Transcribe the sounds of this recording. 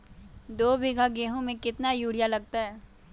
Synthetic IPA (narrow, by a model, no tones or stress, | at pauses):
d̪oːbɪɡʱaɡeːɦõmẽkɪt̪najuːɽ̤ijalɐɡ̚t̪aɦɛː